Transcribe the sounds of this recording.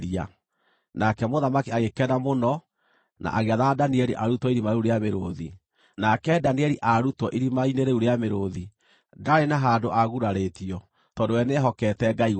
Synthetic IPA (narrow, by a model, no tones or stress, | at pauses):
ɾia̰ | nakɛmoðamakiaɣekɛnamonɔ | na̰ʔaɣeaðadaniɛɾḭʔaɾutɔiɾimaɾeuɾeameɾoði | nakɛdaniɛɾiʔaɾutɔʔiɾimaineɾeuɾeameɾoði | daɾenaɦandoʔaɣuɾaɾetiɔ | tɔndowɛneɦɔkɛtɛɡai